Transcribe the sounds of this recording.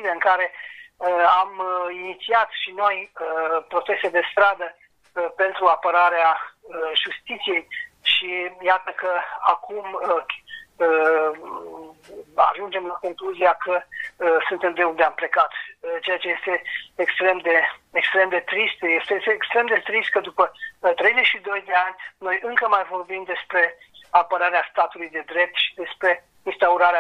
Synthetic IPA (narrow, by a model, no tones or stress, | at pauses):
ileɨŋkaɾe̞əaminit̪siat̪ʃino̞jəpɾo̞t̪e̞sed̪e̞st̪ɾad̪ə | əpe̞nt̪ɾuapəɾaɾeaəʒust̪it̪sije̞j | ʃijat̪əkəakumə | ə | a̰ʒund͡ʒe̞mlako̞ŋkluziakəsunt̪e̞md̪eund̪eample̞kat̪t͡ʃe̞jat͡ʃe̞je̞st̪e̞ːkst̪ɾe̞md̪e̞ekst̪ɾe̞md̪e̞t̪ɾist̪jest̪ejest̪eːkst̪ɾe̞md̪e̞t̪ɾist̪̚kəd̪upət̪ɾe̞jze̞ʃid̪o̞jd̪e̞anʲno̞jɨŋkəmajvo̞rbimd̪e̞spɾe̞ | apəɾaɾeast̪at̪ulujd̪e̞d̪ɾe̞p̚t̪ʃid̪e̞spɾe̞ | inst̪auɾaɾea